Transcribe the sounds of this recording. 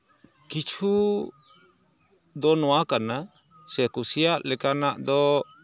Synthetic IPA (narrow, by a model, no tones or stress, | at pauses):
kit͡ʃʰu | d̪ɔnɔwakana | sɛkusijaʔlɛkanaʔd̪ɔ